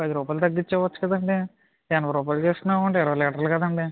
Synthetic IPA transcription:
ɐd̪iɾuːpaːjlt̪ɐɡːiɲt͡ʃːɛːʋɐt͡ʃːu̥kɐd̪ɐɳɖe | anɐpɐɾuːpaːlut͡ʃeːst̪unːaːɐɳʈeiɾɐʋɐlɛːʈɐɾlukɐd̪ɐɳɖi

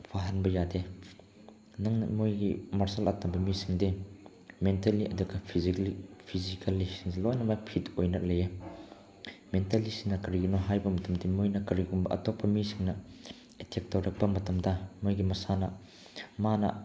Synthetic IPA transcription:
baɦɐnbɐjade | nɐŋnɐ̰mojɡimɐɾsɐlatɐmbɐmisiŋde | mentɐlːiʔɐduɡɐpʰiziipʰizikɐlːisiŋzilɔjnɐmapʰitojnɐʔ̚leja | mentɐlisiŋnɐkɐɾiɡunɔɦajbɐmɐtɐmdimojnɐkɐɾikumbɐʔɐ̰tɔpːɐmisiŋnɐ | etʰek̚tɐwɾɐk̚pɐmɐtɐmdɐmojɡimɐsanɐ | manɐ̰

